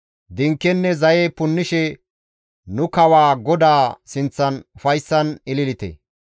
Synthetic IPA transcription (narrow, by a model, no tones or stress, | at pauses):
d̪ɪŋkːɛnːɛzɐjepʊnːɪʃɛ | nʊkɐwaːɡɔd̪aːsɪnt͡sːɐnʊfɐjsːɐnɪlɪlɪt̪ɛ̰